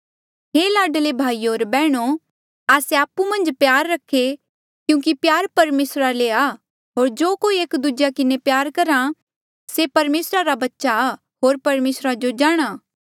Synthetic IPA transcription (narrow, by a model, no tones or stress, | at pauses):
ɦeːlaːɖlebʱaːioːɾbɛːɽ̃o | aːseaːpːumɐ̃nd͡ʒpjaːɾːɐkʰːe | kjũːk̬ipjaːɾpɐɾmeːsɾalea | ɦoːɾd͡ʒoːkoːieːkd̪ud͡ʒjakɪnepjaːɾkɐɾa | sepɐɾmeːsɾaɾabɐtːʃa | ɦoːɾpɐɾmeːsɾad͡ʒod͡ʒaːɽ̃aː